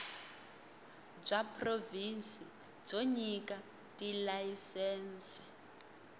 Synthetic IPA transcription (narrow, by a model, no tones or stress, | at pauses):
b͡ʐapʰʼrovinsi | d͡zoɲikʼa | tʼilajisɛːnsɛ̥